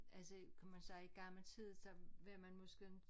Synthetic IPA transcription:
ʔælsəkʰæmænsɑ̈ɪiɡ̥ɑ̈ml̩t͡sʰið̰ˠsɒ̽ʋe̝mænmɔ̽sɡ̥e

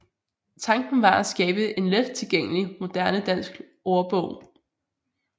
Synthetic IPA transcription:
t͡sʰɑ̈ŋɡ̥n̩ʋɑ̈æsɡ̥ɛːb̥əʔe̝nled̥t͡sʰe̝lɡ̥eŋ̰əlimo̝d̥æɐnəd̥æn̰sɡ̥ | oːɐb̥ɔ̽ʊ̰

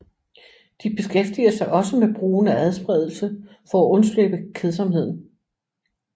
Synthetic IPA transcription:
d̥ib̥e̝sɡ̥efd̥iɐsɑ̈ɪʔɒ̽səmeb̥ʁuːnææð̞ˠsb̥ʁɛð̞ˠl̩sə | fɒ̽æʔɔ̽nsløb̥əkʰeð̞ˠsɒ̽mhe̝ð̞̰ˠn̩

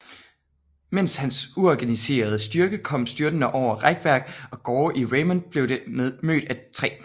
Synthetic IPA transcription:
men̰shænsuɒɡ̥ænise̝̰ːɐð̞ˠəsd̥yɐɡ̥əkʰɒ̽m̰sd̥yɐd̥ənəʔɒʊ̰ɐʁaɡ̥ʋæɐ̰ɡ̥ɒ̽ɡ̥ɒːʔiʁeɪmɔnb̥le̝ʊdemø̰ːd̥æt͡sʰʁɛ̰ː

